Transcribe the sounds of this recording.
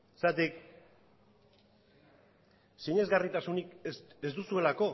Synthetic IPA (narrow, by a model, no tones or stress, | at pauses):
sat̪ik | siɲe̞zɣarit̪asunike̞zd̪usue̞lako̞